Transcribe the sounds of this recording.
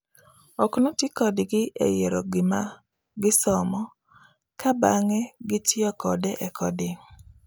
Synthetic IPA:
ɔknotɪkɔdɪɡɪḛjeɾoɡɪma | ɡɪsɔmɔ | kabaŋɛɡɪtɪɔkɔdɛʔɛkɔdɪ

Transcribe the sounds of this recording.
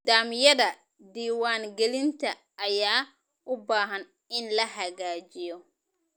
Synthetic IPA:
d̪̥aːmɪjɐðɐ | d̪iːwaːŋɡɛlɪnt̪ʰɐ | ʔːjaː | ʔʊbaːɦɐn | ɪnlɐhɐɣaːd͡ʒɪjɔ

